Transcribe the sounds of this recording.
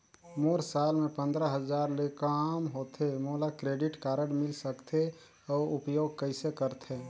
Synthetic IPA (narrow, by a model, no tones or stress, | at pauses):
moːɾsaːlmẽpə̃nd̪ɾəɦəd͡ʒaːɾlekamɦoːt̪ʰemolakɾeːɖɪʈkaːɾəɽmɪlsəkt̪ʰe | ɔːɾʊpjoːɡ̚kəɪsekəɾt̪ʰe